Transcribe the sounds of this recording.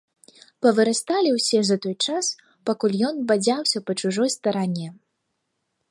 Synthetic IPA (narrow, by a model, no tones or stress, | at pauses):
pɐvɨɾast̪alʲiwsʲɛzɐt̪ɔjt͡ʂas | pakulʲjɔnbad͡zʲawsʲɐpɐt͡ʂuʐɔjst̪ɐɾanʲːɛ